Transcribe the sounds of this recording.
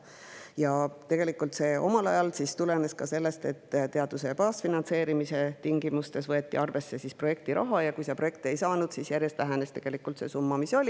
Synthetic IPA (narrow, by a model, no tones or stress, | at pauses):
jɑt̪e̞ɡ̥e̞likult̪se̞ːʔo̞̰mɑlɑ̰jɑlsist̪ule̞ne̞skɑse̞lːe̞st̪e̞t̪ːt̪e̞ɑd̪̥use̞pɑːsfinɑnt̪se̞ːɾimise̞t̪iŋɡ̥imust̪e̞svɤe̞t̪ːˑiɑrve̞sːe̞sispro̞je̞k̚t̪iɾʔɑ̰ɦɑjɑkujsɑpro̞je̞k̚t̪e̞jsɑːnud̪̥sisjærjest̪læɦæne̞st̪e̞ɡ̥e̞likːˑult̪se̞sumːɑmiso̞lʲi